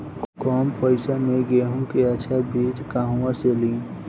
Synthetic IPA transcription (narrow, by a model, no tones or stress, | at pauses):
kɔːmpəɪsamẽɡeːɦũkeəʃʰabiːd͡ʒkaːɦũwãselĩː